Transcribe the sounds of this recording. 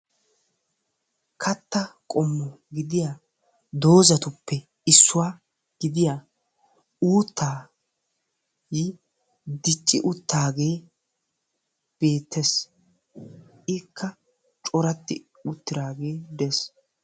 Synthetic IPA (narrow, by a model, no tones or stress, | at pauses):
kʰɐt̪ːɐkʼɔmːɔ | ɡɪd̪ɪjaː | d̪o̞ːzɐt̪ʊpʰːɛ | ɪsːʊwaː | ɡ̥ɪd̪ɪjaː | uːt̪ʰːaː | ji | d̪ɪt͡ʃʼːɪʔʊt̪ːaːɡe̞ː | b̥e̞ːt̪ʰːes | ɪkʰːɐ | t͡ʃʼɔɾɐt̪ːɪ | ʊt̪ːɪɾaːɡe̞ːd̪ɛs